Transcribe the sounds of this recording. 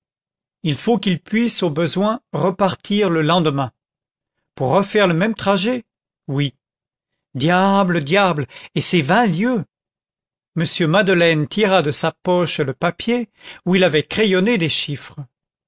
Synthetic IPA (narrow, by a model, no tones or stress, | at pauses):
ilfokilpɥisobəzwɛ̃ʁəpaʁt̪ʰiʁləlɑ̃d̪əmɛ̃ | puʁːəfɛʁləmɛmt̪χaʒe | wi | d̪jabləd̪jablesevɛ̃ljø | məsjømad̪əlɛnt̪iʁad̪əsapɔʃləpapjeuilavɛkχejɔned̪eʃifχə